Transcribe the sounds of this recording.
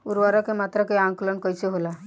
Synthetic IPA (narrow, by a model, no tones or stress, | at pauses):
uɾʋaɾɔkemat̪ɾəkɔjãŋklənkɔjseɦola